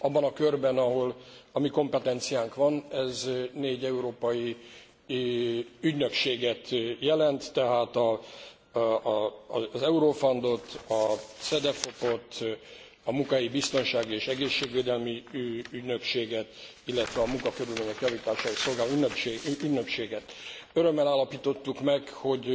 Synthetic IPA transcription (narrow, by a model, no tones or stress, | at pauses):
ʔɒbːɒnɒkørbɛnɒɦo̞lɒmiko̞mpɛt̪ɛnt̪sijaːŋkʋɒnɛzneːɟɛuɾoːpɒji | yɟnø̞kʃeːɡɛt̪jɛlɛnt̪ːɛɦaːt̪ɒ | zɛuɾoːfond̪o̞t̪ɒsɛd̪ɛfo̞po̞t̪ | ɒmuŋkajibist̪o̞nʃaːɡieːʃɛɡeːʃːeːɡveːd̪ɛlmiyɟnø̞kʃeːɡɛt̪ | ilːɛt̪ʋɛɒmuŋkɒkøɾylmeːɲɛkjɒviːt̪aːʃaːiso̞lɡaːlonøeyɟnø̞kʃeːɡɛt̪øɾø̞mːɛlaːlːɒpiːt̪o̞t̪ːukmɛkho̞ɟ